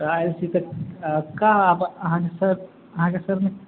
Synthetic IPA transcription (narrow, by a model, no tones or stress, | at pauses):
ajlsʰit̪ɔ | kaɦapəɦãkesəb | əɦãkesəbme